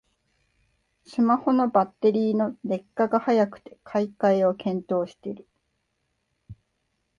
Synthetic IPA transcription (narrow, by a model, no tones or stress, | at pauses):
sɨmaho̞no̞bat̪ːe̞ɾʲiːno̞d̪e̞kːaɡahajakɯ̟̥t̪e̞̥kʰaikaio̞kʰẽ̞nt̪o̞ːɕi̥t̪e̞ɾɯ